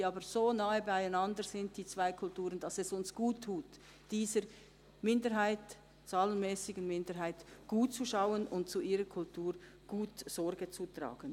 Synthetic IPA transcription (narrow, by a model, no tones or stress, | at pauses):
iɑːbəz̥oːnaːəbaɪaɪnɑndəzɪntd̥iːt͡sv̥aɪkʰʊltuːʁənd̥ɑsɛsʊnsɡ̥uːtʰːuːt | d̥iːzə | mɪndəɾɦaɪt | t͡saːlənmɛːsɪɡənmɪndəɾɦaɪtɡ̥uːt̚t͡suʃaʊənʊnt̚t͡suʔiːʁəkʰʊltʰuːʁ | ɡ̥uːtz̥ɔʁɡət͡sutʁa̰ːɡ̥ən